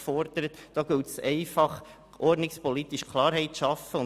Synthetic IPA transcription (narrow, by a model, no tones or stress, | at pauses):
fɔɾd̥̪əɾət̪d̥ɑːɡʉlt̪sɛɪfɑχ | ʔɔɾdnɪkspɔlit̪iʃkʰlɑːɾɦɛɪtʃɑfəʊ